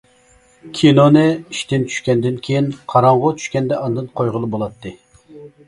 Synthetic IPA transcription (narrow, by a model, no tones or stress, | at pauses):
kʲʰinonɨiʃt̪ɪnt͡ʃʰy̥ʃkʲɛnd̪ɪnkʲʰejinqʰɑɾɑɴʁʊt͡ʃʰy̥ʃkʲɛnd̪ɛʔɑnd̪ɨnqʰojʁəlˠɨbolˠɑt̪ːɨ